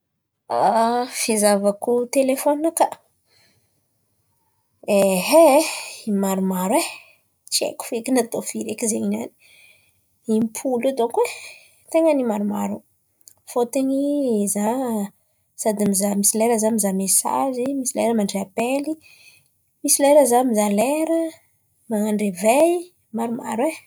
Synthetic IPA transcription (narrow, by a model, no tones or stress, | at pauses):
afizavakut̪elefoniaka | eɦeimaɾumaɾwe | t͡ʃiḛku̥fekinat̪ofiɾekizeinani̥ | impʰulad̪okuwe | t̪eŋanimaɾumaɾu | fot̪eɲiza | sad̪imizamisileɾəzamizamesa̰zimisileɾəmaɳɖ͡ʐeapeli | misileɾəzamizaleɾə | maŋaɳɖ͡ʐevej | maɾuma̰ɾwe